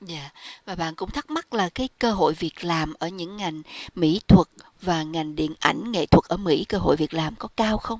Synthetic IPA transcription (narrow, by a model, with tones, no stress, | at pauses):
zaː˧˨vaː˨˩ɓa̰ː˧˨nkʊ̰˧˥ŋ͡mt̪ʰə˦˥k̚ma˦˥t̚laː˨˩kaː˨˦jkəː˧ɦo̰˧˨jvi˨˩ət̚laː˨˩mʔəː˧˩ɲɨ̰˧˥ŋːa˨˩jŋ̟mḭ˧˥t̪ʰwə˨˩t̚ | vaː˨˩ŋa˨˩jŋ̟ɗḭ˧˨ənʔa̰˧˩jŋ̟ŋḛ˧˨t̪ʰwə˨˩k̚ʔəː˧˩mḭ˧˥kəː˧ɦo̰˧˨jvi˨˩ət̚laː˨˩mkɔ˨˦kaː˧wxə˧wŋ͡m